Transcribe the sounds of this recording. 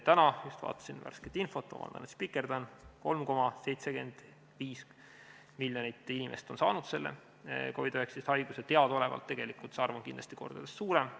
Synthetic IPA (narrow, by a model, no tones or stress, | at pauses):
t̪ænɑjust̪vɑ̰ːt̪ːˑɑ̥sinvæ̰rsket̪ːinfo̞t̪ːɑ̰mɑ̰nd̪̥ɑ̰nut̪spikˑːe̞rd̪ɑnkolmko̞mɑse̞jt̪seɡe̞̰nd̪̥ | viːs | miljonit̪ːˑinimʔe̞̰st̪o̞nsɑ̰ːnud̪̥se̞lːḛ | ko̞id̪øhekst̪ist̪hɑjɡ̥uset̪eɑd̪o̞le̞vɑ̰lt̪ːe̞ɡ̥e̞likult̪sɑrvɑnkind̪lɑst̪iko̞̰rd̥̪ɑd̪̥esːsuːɾem